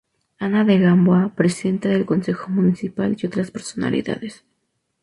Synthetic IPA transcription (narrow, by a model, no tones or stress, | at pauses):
anaðeɣambwapɾesiðe̞nt̪aðe̞lko̞nse̞xo̞mũnisipaliot̪ɾaspe̞ɾso̞na̰lḭða̰ðes